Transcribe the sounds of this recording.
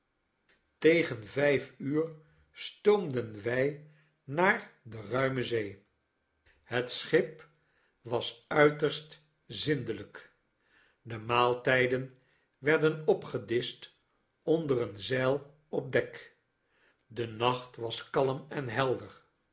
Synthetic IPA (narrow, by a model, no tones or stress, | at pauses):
tejχənvɛjfyːɹ | stowmdənʋɛj | naːɹdərœɥməzej | ɦətsχɪp | ʋɑsœɥtəɹst | zɪndələk | dəmaːlˠtɛjdən | ʋɛɹdənɔpχədɪst | ɔndərənzɛlˠ | ɔp̚dɛk | dənɑχtʋɑskɑləmɛnɦɛlˠdəɹ